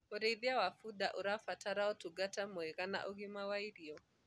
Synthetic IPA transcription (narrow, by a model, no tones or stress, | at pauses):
oɾeðiawafudaʔoɾafataɾaɔtuɡatamɔɛɣana̰ʔɔɣɪmawaiɾiɔ